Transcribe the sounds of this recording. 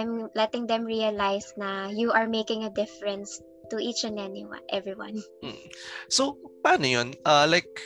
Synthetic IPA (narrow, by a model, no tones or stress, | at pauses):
ɛmlɛt̪ɪŋd̪ɛ̃mɹiɐlajsnɐjuʔɐɹmeɪkɪ̃ŋɐd̪ɪfɛɹɛ̃ns | t̪uʔit͡ʃɛ̃nɛniwɐ̰nʔɛvɹiwɐ̰̃nʔ̩sopaːnojonʔɐlajk̚